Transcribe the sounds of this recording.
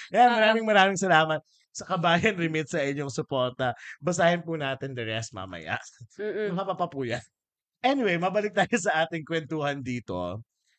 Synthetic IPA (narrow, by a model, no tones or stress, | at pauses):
ɐjanmɐɾaːmɪŋmɐɾaːmɪŋsɐlaːmɐt̪̚ | sɐkɐbaːjɐnɾɪmɪt̪̚sɐʔɪɲoŋsʊpo̞ɾt̪ɐbɐsaːhɪnpunaːt̪ɪnd̪ɛɾɛst̪̚ma̰ːmɐ̰ja̰ʔmɐkɐpapɐpuːjɐn | ʔɛnɪwejmɐbɐlɪk̚t̪aːjosɐʔaːt̪ɪŋkwɛnt̪uːhɐnd̪iːt̪o̞̰